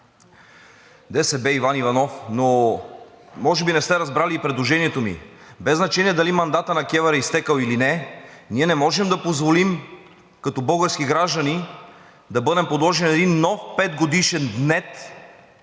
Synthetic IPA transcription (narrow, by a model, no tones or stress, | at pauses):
d̪ɛsɛbɛivanivɐnɔfno | mɔʒɛbinɛst̪ɛɾɐzbɾaliːpɾɛd̪lˠoʒɛniɛt̪omḭ | bɛznɐt͡ʃɛniɛd̪ɐlimɐnd̪at̪ənɐkʲɛvɐɾɛist̪ɛkəlˠilinɛniɛnɛmɔʒɛmd̪ɐpozvolim | kɐt̪ɔbɤɡəɾskiɡɾaʒd̪ɐni | d̪ɐbɤd̪ɛmpod̪lˠɔʒɛnɛd̪inːɔfpɛd̪ɡod̪iʃɛnd̪nɛt̪